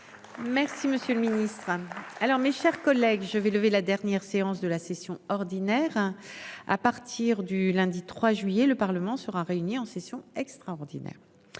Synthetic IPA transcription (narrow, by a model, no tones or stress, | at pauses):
mɛʁsiməsjøləminist̪χalɔʁmeʃɛʁkɔlɛɡʒəvɛləvelad̪ɛʁnjɛʁseɑ̃sd̪əlasesjɔ̃ɔʁd̪inɛʁ | a̰paʁt̪ʰiʁd̪ylɛ̃d̪it̪χwaʒɥijɛləpaʁləmɑ̃səʁaʁeyniɑ̃sesjɔ̃ɛkst̪χaɔʁd̪inɛ̰ʁ